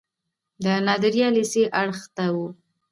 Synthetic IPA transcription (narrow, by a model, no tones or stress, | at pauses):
d̪ənɑd̪ɪɾjɑliseʔaɽxt̪awu